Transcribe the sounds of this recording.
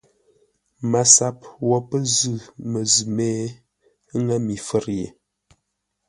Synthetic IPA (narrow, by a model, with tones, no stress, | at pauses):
ma˨sa˦p̚wɔ˨pə˦zʉ˦˨mə˨zʉ˨mɛː˦ | ŋa˦mi˨fə˦˨ɾjḛ˨